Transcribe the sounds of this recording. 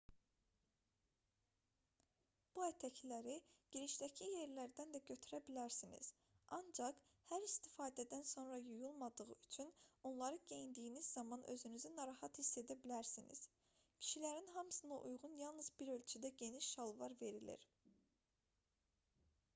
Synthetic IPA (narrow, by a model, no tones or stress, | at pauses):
b̥uæt̪ʰæcʰlæɾiɟ̥iɾiʃd̪æcʰije̞ɾlæɾd̪ænd̪æɟø̞t̪ʰyɾæbilæɾsinḭz̥ | ʔɑnd͡ʒɑqhæɾist̪ifɑːd̪æd̪ænso̞nɾɑjujulˠmɑd̪ɯʁɯyt͡ʃʰyno̞nlˠɑɾɯɟe̞jind̪iːnizːɑmɑnʔø̞̰zynyzynɑɾɑhɑt̪hisːe̞d̪æbilæɾsinḭz̥ | cʰi̥ʃilæɾinɦɑmsɯnɑ̰ʔujʁunjɑlˠnɯzbiɾø̞lʲt͡ʃʰyd̪æɟe̞niʃːɑlˠvɑ̰ɾve̞ɾilḭɾ